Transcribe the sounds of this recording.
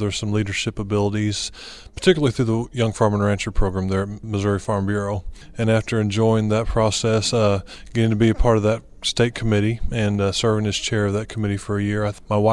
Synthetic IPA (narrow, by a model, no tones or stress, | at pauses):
ðə˞z̥sʌ̃mliɾə˞ʃɪpəbɪlˠəɾiz̥pʰə̥˞tʰɪkjl̩ˠiθɹʉðəjʌ̃ŋfɑɹmə̃nɹæ̃nt͡ʃə˞pʰɹ̥oʊɡɹæ̃mðə˞ɨt̚mɨzʊɹifɑɹmbjʊɹoʊ | ɨ̃næftə˞ɨ̃nd͡ʒɔɪɪ̃ŋðɨt̚pʰɹ̥ɔsɛsɡ̥ɛɾɪ̃ŋtʰɨbiɨpʰɑɹɾʌvðɨt̚ | steɪt̚kʰəmɪɾiɨ̃nsɜ˞vɪ̃ŋɨz̥t͡ʃʰɛɹʌvðɨt̚kʰəmɪɾifə˞ɨjɪɹaɪmaɪwa